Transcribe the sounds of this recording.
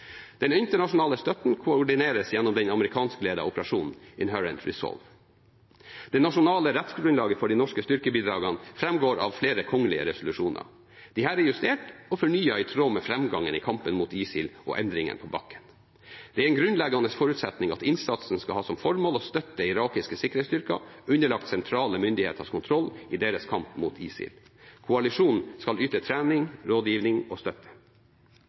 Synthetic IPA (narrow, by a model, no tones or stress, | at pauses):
d̪̥ɛnɪnt̪əɳɑʂʊnɑːləst̪œt̪n̩kʰʊɔɖɪneːɾəsjɛnːɔmd̪ɛnɑməɾɪkʰɑːnskəleːd̪ɑ̰ɔpəɾɑʂuːnn̩ɪnɦœɹə̰nt̪ɹɪsɔ̰lʋ | d̪̥ɛnɑʂʊnɑːləɾɛt̪sɡɾʉnlɑːɡəfɔɖiːnɔʂkəst̪ʏɾkəbiːd̪ɾɑːɡɑnfɾɛmɡoːɾɑ̰ʋfleːɾəkʰɔŋːəlɪə̰ɾɛsʊlʉʂuːnə̰ɾ | d̪̥ɪhæːɾɛjʉst̪eːʈɔfɔɳyːɑɪt̪ʰɾoːmɛfɾɛmɡɑŋːənḭːkʰɑmpənmuːt̪iːsɪ̰lʔɔ̰ʔɛnd̪ɾɪŋə̰npʰɔbɑ̰kːə̥n | d̪̥ɛæɾɛnɡɾʉnlɛɡɑnəsfɔɾʉːt̪sɛt̪nɪŋɑt̪ɪnsɑt̪sn̩skɑlhɑːsɔmfɔɾmoːlɔːst̪œt̪ːəɪɾɑːkɪskəsɪkːəɾhɛtst̪ʏɾkɑ̰ʉnːəɭɑk̚t̪sɛnt̪ʰɾɑːləmʏnd̪ɪhḛːt̪əskʰʊnt̪ʰɾɔlːɪd̪eːɾəskʰɑmpmuːt̪ʰḭːsɪ̰lkʰʊɑlɪʂuːnnskɑlyːt̪ət̪ʰɾæːnɪŋɾoːd̪jiːʋnɪŋɔst̪œt̪ʰːə̥